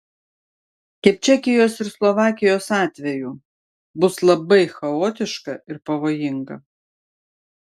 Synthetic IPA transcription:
kʲɛp̚ʲt͡ʃʲɛkʲɪjoːsɪɾslˠɔʋɑːkʲɪjoːsɑːt̪ʲʋʲɛjuː | bʊslˠɐbɐɪxɐoːt̪ʲɪʃkɐɪɾpɐʋoːjɪŋɡɐ̰

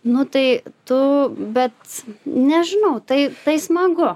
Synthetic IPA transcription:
nʊt̪ɐɪt̪ʊbʲɛt̪nʲɛʒʲɪnɐʊt̪ɐɪt̪ɐɪsmɐɡʊ

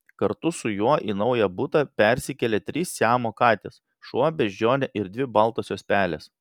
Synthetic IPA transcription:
kɐɾt̪ʊsʊjuɔʔiːnɒʊjɛbʊt̪ɐpʲɛɾʲsʲɪkʲɛlʲɛt̪ʲɾʲiːsːʲæːmoːkɑːt̪ʲeːs | ʃuɔbʲɛʒʲd͡ʒʲoːnʲɛʔɪɾd̪ʲʋʲɪbɐlˠt̪oːsʲoːspʲæːlʲḛːs

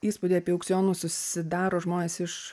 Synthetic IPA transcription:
iːspud̪ʲeɐpʲiɛʊkʲsʲjoːnuːsʊsʲɪd̪ɑːɾoːʒmoːnʲeːsɪʃ

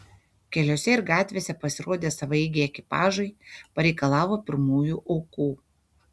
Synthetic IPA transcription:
kʲɛlʲoːsʲɛɪɾɡɑːt̪ʲʋʲeːsʲɛpɐsʲɪɾoːd̪ʲeːsɐʋɐɪɡʲeːɛkʲɪpɑːʒɐɪpɐɾʲɛɪkɐlˠɑːʋoːpʲɪɾmuːjuːʔɔʊkuː

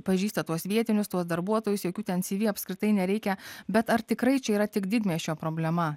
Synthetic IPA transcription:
pɐʒʲiːst̪ɐt̪uɔsʋʲiɛt̪ʲɪnʲʊst̪uɔsd̪ɐɾbuɔt̪oːjʊsjoːkʲuːt̪ʲɛnsʲiːʋʲiːɐpskɾʲɪt̪ɐɪnʲɛɾʲɛɪkʲɛbʲɛt̪ɐɾt̪ʲɪkɾɐɪt͡ʃʲɛiːɾɐt̪ʲɪkd̪ʲɪd̪ʲmʲiɛsʲʃʲt͡ʃʲoːpɾoːbʲlʲɛmɐ

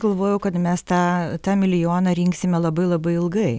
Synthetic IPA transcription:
ɡ̥ɐlˠʋoːjɛʊkɐt̪mʲɛst̪ɑːt̪ɑːmʲɪlʲɪjoːnɐɾʲɪŋksʲɪmʲɛlˠɐbɐɪlˠɐbɐɪɪlˠɡɐɪ

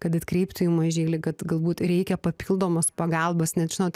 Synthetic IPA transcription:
kɐt̪ɐt̪kɾʲɛɪpt̪ʊjuːmɐʒʲeːlʲɪkɐt̪ɡɐlˠbuːt̪rʲɛɪkʲɛpɐpʲiːlˠd̪oːmɐspɐɡɑːlˠbɐsnʲɛt̪ʒʲɪnoːt̪

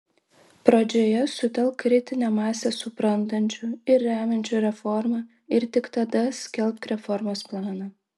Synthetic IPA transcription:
pɾɐd͡ʒʲoːjɛsʊt̪ʲɛlˠˑkːɾʲɪt̪ʲɪnʲɛmɑːsʲeːsʊpɾɐnt̪ɐnʲt͡ʃʲʊɪɾːʲæːmʲɛnʲt͡ʃʲuːɾʲɛfɔɾmɑ | ɪɾt̪ʲɪkt̪ɐd̪ɐsʲkʲɛlʲˠpt̪ɾʲɛfɔɾmoːsplˠɑːnɑ

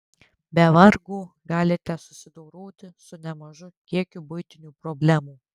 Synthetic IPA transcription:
bʲɛʋɐɾɡuː | ɡɑːlʲɪt̪ʲɛsʊsʲɪd̪ɔʊɾoːt̪ʲɪsʊnʲɛmɐʒʊkʲiɛkʲubʊɪt̪ʲɪnʲuːpɾɔbʲlʲæmuː

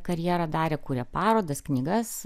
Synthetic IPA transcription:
kɐɾʲjiːɾɐd̪ɑːɾʲɛkuːɾʲɛpɑːɾoːd̪ɐsknʲiːɡɐs

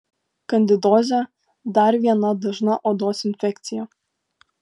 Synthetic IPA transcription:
kɐnʲd̪ʲɪd̪oːzʲo | d̪ɐɾʋʲiɛnɐd̪ɐʒnɐʔoːd̪oːsɪnʲfʲɛkt̪sʲɪjo

